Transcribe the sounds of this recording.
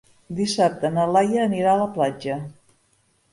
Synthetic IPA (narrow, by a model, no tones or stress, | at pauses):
d̪isap̚t̪ənəlajəːniɾaələplad͡ʒə